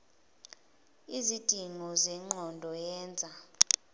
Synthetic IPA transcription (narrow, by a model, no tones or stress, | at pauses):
izid̥ʱiŋɔzɛŋ͡ǃʱɔndʱɔjɛːnd͡zʱa